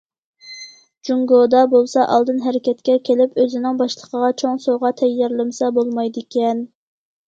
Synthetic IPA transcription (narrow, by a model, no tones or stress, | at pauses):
d͡ʒuŋɡod̪ɑbolˠsɑʔɑ̰lˠd̪ɨnɦɛɾɪkʲɛt̪̚kʲɛkʲʰelɪpøzɪnɪŋbɑʃlˠəqʰəʁɑt͡ʃʰoŋsoʁɑt̪ʰɛjːɑɾlˠɨmsɑbolˠmɑjd̪ɪkʲɛn